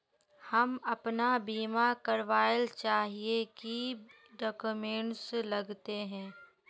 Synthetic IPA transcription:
hɐmɐpnabiːmakɐɾʋaːəlt͡ʃaːɦieki | ɖɔːkumẽːɳʈslɐɡt̪eɦɛ̃ː

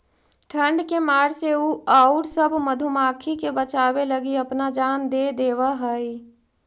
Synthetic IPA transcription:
ʈʰə̃ɳɖkemaːɾseuaːʊɾsəbʱməd̪ʱumaːkʰikebət͡ʃaːweləɡiɐpnad͡ʒaːnd̪eːd̪eːwaɦəi

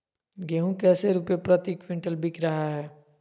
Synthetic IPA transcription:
ɡeɦũkɛːseɾupepɾət̪ikʋɪ̃ɳʈəlbikɾəɦaɦɛː

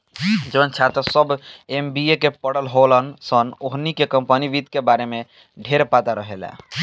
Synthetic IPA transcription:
d͡ʒebənt͡ʃʰat̪əsəbembiekepəɽəlɦolənsənoɦnikekəmpəniʋit̪kebaɾeme | ɖʱeɾpat̪aɾəɦelɛ̰̃

